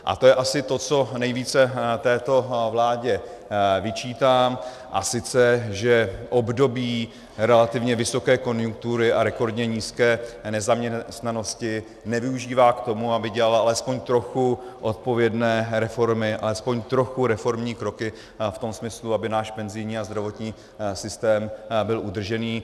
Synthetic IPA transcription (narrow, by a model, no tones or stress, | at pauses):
ʔa̰t̪o̞jɛʔasɪt̪o̞t͡so̞nɛjviːt͡sɛt̪ɛːt̪o̞vlaːɟɛ | vɪt͡ʃiːt̪aːm | ʔa̰sɪt͡sɛʒɛʔo̞bdo̞biː | ɾɛlat̪ɪvɲɛvɪso̞kɛːko̞njuŋk̚t̪uɾɪʔaɾɛko̞ɾdɲɛɲiːskɛːnɛzamɲɛst̪nano̞scɪ | nɛvɪuʒiːvaːkt̪o̞muabɪɟɛlalʔalɛspoɲt̪ɾo̞xuʔo̞t̪̚po̞vjɛdnɛːɾɛfo̞ɾmɪʔa̰lɛspo̞ɲt̪ɾo̞xuɾɛfo̞ɾmɲiːkɾo̞kɪ | ft̪o̞msmɪsluabɪnaːʃpɛnzɪjɲiːazd̪ɾavo̞t̪ɲiː | sɪst̪ɛːmbɪlʔud̪r̩ʒɛniː